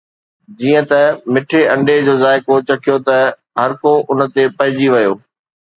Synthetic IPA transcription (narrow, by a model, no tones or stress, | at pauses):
d͡ʑiːə̃t̪ɐmɪʈʰeɐ̃ɳɖed͡ʑoːzaːɪkot͡ɕɐkʰijot̪ɐ | ɦɐɾkoʔʊnə̆t̪epɐɦɪ̃d͡ʑiʋɐjoː